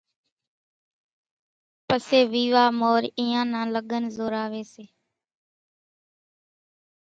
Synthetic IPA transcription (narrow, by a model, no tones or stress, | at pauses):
pəseːʋiːʋaːmoːɾiːãːnãːləɠənzoːɾaːʋeːseː